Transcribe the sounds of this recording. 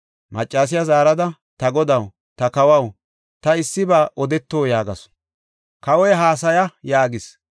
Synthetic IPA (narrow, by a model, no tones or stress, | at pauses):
mɐt͡ʃʼːaːs̬ɪjazaːɾɐd̪ɐ | t̪ɐɡɔd̪ɐw | t̪ɐkɐwɐw | t̪ɐɪsːɪbaːʔɔd̪ɛt̪ːoːjaːɡɐs | kɐwɔjɦaːs̬ɐjɐjaːɡɪs